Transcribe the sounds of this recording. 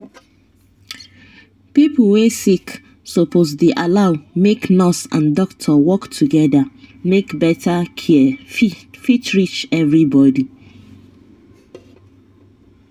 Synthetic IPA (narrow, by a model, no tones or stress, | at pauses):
pipl̩wesik | sopʰozdeʔalaʊmeknɔsã̰ndɔktʰɔwɔktʰuɡɛdamekbɛtʰakʰi | fit͡ʃɹit͡ʃɛvɹibɔdi